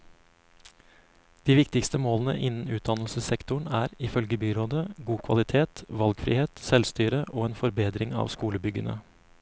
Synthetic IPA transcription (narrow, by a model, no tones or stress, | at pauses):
d̪̥iːʋɪkt̪ɪkst̪əmoːln̩ə̰ʔɪnːn̩ʉːt̪̚d̪ɑnl̩səsɛkt̪ʊɳæːɾɪfœlɡəbyːɾoːd̪əɡuːkʰʋɑ̰lɪt̪ʰeːt̪ʋɑlɡfɾḭːheːt̪sɛlst̪yːɾəʔoːeːnfɔɾbeːd̪ɾɪŋɑ̰ːʋskuːləbʏɡənə̰